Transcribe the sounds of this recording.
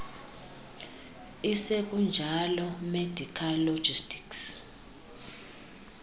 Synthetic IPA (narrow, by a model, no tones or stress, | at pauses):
isek̬ʼund͡ʒʱalɔmed̥ʱikʰalo̥d͡ʒistʰʼi̥ks